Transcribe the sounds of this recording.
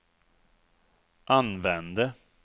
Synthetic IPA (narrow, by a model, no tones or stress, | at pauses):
ʔanvɛnd̪ə